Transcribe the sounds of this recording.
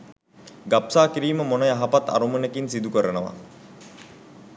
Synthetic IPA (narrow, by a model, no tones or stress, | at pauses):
ɡapsaːkiɾiːməmonəjaɦapat̪ːa̰ɾumunekinsid̪ukəɾənəʋa̰